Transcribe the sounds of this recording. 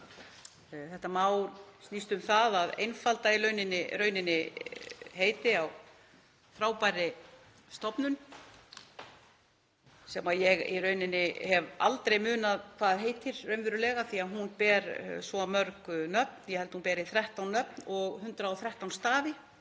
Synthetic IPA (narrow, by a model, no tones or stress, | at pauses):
θɛht̪amaːwɾst̪nist̪ʏmθaðaðḛjnfalt̪ailœːɥnɪnːɪɾœɥnɪnːɪ | ɦeːjt̪ɪaw | θɾaːwpaɾɪ | st̪ɔpnʏn | sɛmaðjɛɣḭɾœːɥnɪnːɪhɛva̰lt̪ɾejmʏːnaðkʰvaðɦeːjt̪ʰɪɾrœɥnvɪɾʏlɛːɣaθiaðɦunpɛːɾsvɔamœɾkʏnœp̚n̥jɛhɛlt̪ɪhunpɛːɾɪθɾɛht̪awnːœp̚nɔɣhʏnt̪ɾaɔwθɾɛht̪awnst̪aːðɪ